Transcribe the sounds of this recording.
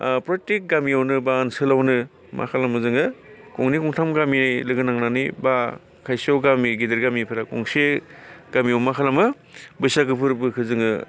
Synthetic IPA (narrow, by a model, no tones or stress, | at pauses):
pɾɔtek̚ɡamiawnɯbansɯlawnɯ | mʔa̰kʰalamɯzɯŋɯkɔŋnikɔŋtʰamɡamiajlɯɡɯnaŋnaniba | kʰajsawɡamiɡideɾɡamipʰɯɾakɔŋseɡ̥amiawmakʰalamɯ | bɯjsakɯpʰɯɾbɯkʰɯzɯŋɯ̰